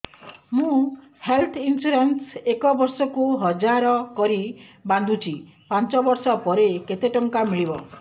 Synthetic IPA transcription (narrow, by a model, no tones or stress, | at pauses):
mũ | helt̪ʰinsuɾensekɔbɔɾsɔkuɦɔd͡ʒaɾɔkɔɾiband̪ʱut͡ʃʰi | pant͡ʃɔbɔɾsɔpɔɾeket̪eʈɔŋkamiɭibɔ